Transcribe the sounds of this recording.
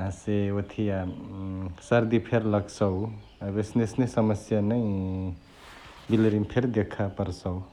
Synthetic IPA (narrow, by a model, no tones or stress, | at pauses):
ãseot̪ʰija | səɾd̪ipʰeɾlʌɡsʌw | ɾesnesnesʌməsjanəj | bilɾimpʰeɾd̪ekʰapəɾsʌw